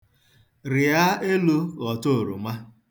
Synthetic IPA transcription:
ɾɪ˨a˦e˦lu˦ɣɔ˨to˦o˨ɾṵ˨ma˦

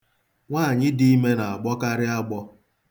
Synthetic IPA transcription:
ŋʷaː˦˨ɲɪ˦di˦i˦me˦na˨a˨ɡ͡bɔ˦ka˦ɾɪ˦a˦ɡ͡bɔ˦

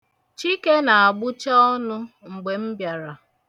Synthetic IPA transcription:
t͡ʃi˦ke˦na˨a˨ɡ͡bʊ˦t͡ʃa˦ɔ˦nʊ˦ŋ͡m̩˨ɡ͡be˨m̩˦bja˨ɾa˨

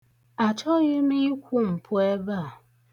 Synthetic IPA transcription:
a˨t͡ʃɔ˦ɣi˦mi˦i˦kʷu˦m̩˨pʰu˦e˦ba˦˨

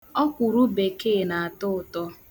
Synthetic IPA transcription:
ɔ˦kʷu˨ɾu˦be˨keː˦˨na˨a˨tʊ˦˨tɔ˦

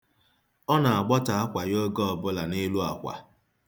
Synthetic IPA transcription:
ɔ˦na˨a˨ɡ͡bɔ˦ta˨a˦kʷa˨jo˦ɡɔ˦ɔ˨bʊ˦la˨nɪ˦lu˦a˨kʷa̰˨

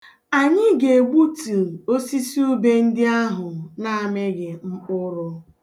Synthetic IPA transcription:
a˨ɲɪ˦ɡe˨ɡ͡bu˦tu˨o˦si˦si˦u˦be˦n̩˦dɪ˦a˦ɦʊ˨na˨a˨me˦ɡɪ˨ŋ͡m̩˦k͡pʊ˦ɾʊ˦

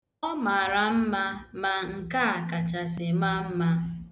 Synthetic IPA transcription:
ɔ˦ma˨a˨ɾa˨m̩˦ma˦ma˨ŋ̩˨ka˦a˨ka˨t͡ʃa˨sɪ˨ma˦m̩˦ma˦

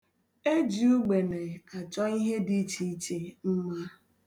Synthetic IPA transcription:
e˦d͡ʒi˨u˦ɡ͡be˨ne˨ka˨t͡ʃɔ˦i˦ɦe˦di˦t͡ʃi˦i˦t͡ʃe˨m̩˦ma˦

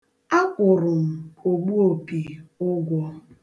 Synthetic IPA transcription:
a˦kʷʊ˨ɾʊ˨m̩˨o˨ɡ͡bu˦o˨pi˨ʊ˦ɡʷɔ˦

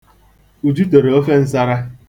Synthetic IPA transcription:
u˨d͡ʒu˦to˨ɾe˨o˦fe˦n̩˦sa˦ɾa˦

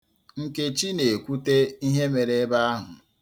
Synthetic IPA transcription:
ŋ̩˨ke˨t͡ʃi˦ne˨kʷu˦te˦i˦ɦe˦me˨ɾe˦e˦ba˦a˦ɦʊ˨

